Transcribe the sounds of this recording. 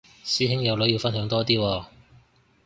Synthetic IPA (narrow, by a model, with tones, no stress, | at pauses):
siː˥ɦɪ˥ŋjɐ˨˧wlɵ˨˥ji˧wfɐ˥nɦœː˨˥ŋt̪ɔː˥t̪iː˥wɔː˧